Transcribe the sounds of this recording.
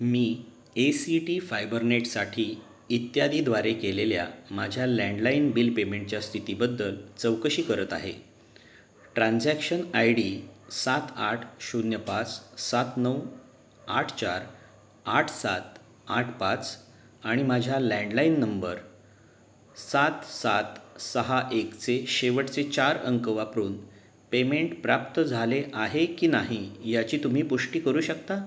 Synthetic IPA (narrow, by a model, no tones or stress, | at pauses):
miː | esiʈifajbəɾneʈsaʈʰiː | t̪jad̪ʱiːd̪ʋaɾekelelja̰mad͡ʑʱjalæ̃ɳɖlainbilpemeɳʈ̚t͡ɕjast̪ʰit̪ibəd̪ːəlt͡səwkəɕiːkəɾət̪aɦḛ | ʈɾãnd͡zækʂənajɽisat̪aʈʰɕunjəpat͡ssat̪nəw | aʈʰt͡ɕaɾ | aʈʰsa̰t̪ | aʈʰpat͡s | aɽ̃imad͡ʑʱjalɛ̃ɳɖlainːəmbəɾ | sat̪sat̪səɦaʔekt͡seɕeʋəʈt͡set͡ɕaɾəŋkəʋapɾuːn | pemeɳʈpɾapt̪əd͡zʱaleʔaɦekiːnaɦijat͡ɕiːt̪um̤iːpuʂʈiːkəɾuːɕəkt̪a